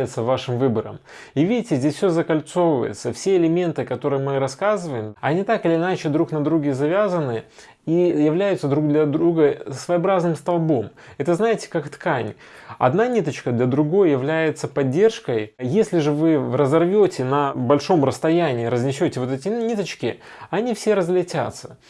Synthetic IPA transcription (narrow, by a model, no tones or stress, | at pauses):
jɪt̪səvːaʂɨmvɨbəɾə̰m | ivʲidʲɪtʲɪzʲdʲesʲfʲsʲozəkɐlʲt̪so̞vəvə̰jɪ̰t̪səfsʲeɪlʲɪmʲe̞nt̪ɨkɐt̪o̞ɾɨjmɨɾɐskazɨvəjɪmɐnʲit̪akɪlʲɪːnat͡ɕɪd̪ɾuknɐd̪ɾuɡʲɪzɐvʲazənːɨ | ijɪvlʲæjʊt̪səd̪ɾuɡ̚d̪lʲɐd̪ɾuɡəsvəjɐbɾaznɨmst̪ɐlˠbo̞mɛt̪əznajɪtʲɪ̥kakt̪kanʲɐ̰d̪nanʲit̪ət͡ɕkəd̪lʲəd̪ɾʊɡo̞jjɪvlʲæjɪt̪səpɐdʲːe̞rʂkəjjesʲlʲɪʐɨvɨvrəzɐrvʲotʲɪnəbɐlʲʂo̞mɾəst̪ɐjænʲɪːɾəzʲnʲɪsʲotʲɪvo̞t̪ɛtʲɪnʲit̪ət͡ɕkʲɪɐnʲifsʲeɾəzlʲɪtʲa̰t̪sə̥